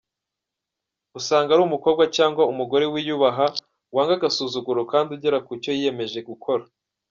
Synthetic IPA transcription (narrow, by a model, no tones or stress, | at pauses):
usaːŋɡaɾumuko̞ːbɡacaːŋɡwaumuɡo̞ɾe̞wijuːβaɦa | waːŋɡaɡasuːzuɡuɾokaːnduɟeɾakuco̞jije̞me̞ʒe̞ɡukʰo̞ɾa